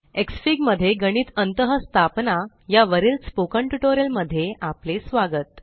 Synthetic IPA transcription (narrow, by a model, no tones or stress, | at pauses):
eksfiɡməd̪ʱːjeɡəɽ̃iːt̪ənt̪əɦəst̪ʰapna | jaʋəɾiːlt͡spokə̃ɳʈuʈoɾjəlməd̪ʱːjeʔaplesʋaɡət̪̚